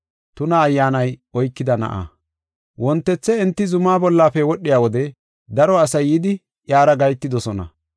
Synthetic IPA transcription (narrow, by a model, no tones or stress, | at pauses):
t̪ʊnɐːjːaːnɐjɔjkːɪd̪ɐnɐ̰ʔa̰ | wɔnt̪ːɛt͡sːɛɛnt̪ːɪzʊmaːbɔlːaːfɛwɔɗːɪjaːwɔd̪ɛ | d̪ɐɾɔɐsɐjːid̪ɪ | ʔjaːɾɐɡɐjt̪ːɪd̪ɔsɔnɐ̰